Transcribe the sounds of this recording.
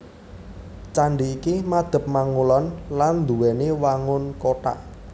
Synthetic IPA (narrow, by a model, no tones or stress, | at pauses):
t͡ʃaɳɖiːkimad̪̥ə̤p̚maŋulɔnland̪uwɛnewaŋʊnkoʈa̰ʔ